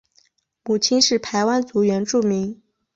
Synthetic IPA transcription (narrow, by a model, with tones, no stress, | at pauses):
mu˨˩t͡ɕʰi˥nʂɻ̩˥˩pʰa˧˥ɪwa˥nt͡su˧˥ɥɛ˧˥nʈ͡ʂu˥˩mi˧˥ŋ